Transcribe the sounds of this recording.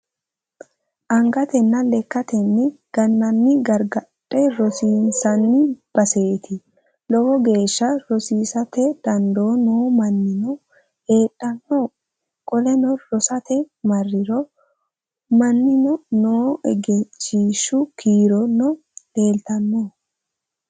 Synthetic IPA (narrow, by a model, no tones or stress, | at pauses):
ʔɐŋɡɐt̪ɛnːɐlɛkːɐt̪ɛnːɪɡ̥ɐnːɐnːɪɡɐɾɡɐtʼːɛɾɔsiːnsɐnːɪb̥ɐse̞ːt̪ʰɪ | lɔwɔɡe̞ːʃːɐɾɔsiːsɐt̪ɛd̪̥ɐnd̪oːnoːmɐnːɪnɔ | e̞ːᶑʼːɐnːoː | kʼɔlɛnɔɾɔsɐt̪ɛ | mɐrːɪɾɔ | mɐnːɪnɔnoːʔɛ̰ɡɛt͡ʃːiːʃːʊkʰiːɾɔnɔ | de̞ːlt̪ɐnːoː